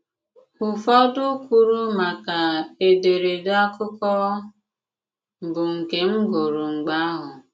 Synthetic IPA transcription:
ʊ˨fɔ˦dʊ˦kʷu˦ɾu˦ma˨ka˨e˨de˨ɾe˨da˦kʊ˦kɔ˦˨ | bʊ˨ŋ̩˨ke˨ŋ͡m̩˦ɡo˨ɾʊ˨ŋ͡m̩˨ɡ͡ba˦a˦ɦʊ˨

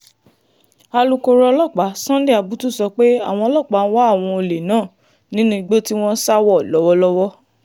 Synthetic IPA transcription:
a˧lu˧ko˧ɾɔ˧lɔ˦˨k͡pa˨˦sã˦de˦˨a˨bu˨˦tu˦˨sɔ˧k͡pe˦a̰˦˨w̃ɔ̃˧˨lɔ˦˨k͡pa˨˦n̩˦wa˦a˦˨w̃ɔ̃˧o˧le˨nãː˦˨ | nĩ˨˦nũ˦i˧ɡ͡be˦ti˦w̃ɔ̃˦sa˦wɔ˦˨lɔ˨˦wɔ˦lɔ˦wɔ˦

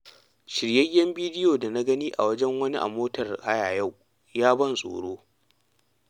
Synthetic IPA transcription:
ʃɪ˨ɽjɐ˦jːɐ˦mbiː˦dɪ˦joː˨da˨na˦ɡɐ˦niː˦ʔa̰˨wɐ˦d͡ʒɛ˦ŋwɐ˦ni˦ʔa̰˨moː˦tɐ˨rha˦jaː˨ja˦˨w | jaː˦bɐ˦nsʼo̰ː˨ɽoː˦

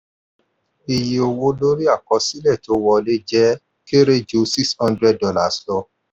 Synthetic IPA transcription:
i˨ji˨o˨wo˧lo˦ɾi˦a˦˨kɔ˧˦si˦lɛ˦˨to˨˧˦wɔ˧le˦d͡ʒɛ˦ | ke˦ɾe˦d͡ʒo˧˦si˦kshɔ̃˦ndɾɛ˦d̚dɔ˦la˦˨slɔ˧

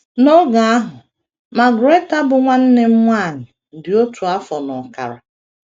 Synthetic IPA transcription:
nɔ˦ɡa˨a˦ɦʊ˨ | ma˨ɡʊ˨ɾe˦ta˦bʊ˨ŋʷa˦n̩˦ne˦m̩˦mʷa˦˨ɲɪ˨ | dɪ˨o˦tʰu˨a˦fɔ˨nɔ˨ka̰˨ɾa̰˨

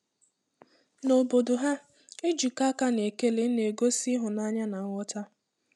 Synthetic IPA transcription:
no˨bo˨do˨ɦa˦ | e˦d͡ʒi˨ka˦ka˦ne˨ke˦le˨˦ne˨ɡo˦si˦ɦʊ˨na˦ɲa˦na˨ŋʷɔ˦ta˦

